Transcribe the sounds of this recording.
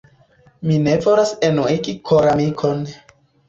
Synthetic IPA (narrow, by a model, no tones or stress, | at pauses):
mine̞voɾasenuiɡikʰoɾamikʰon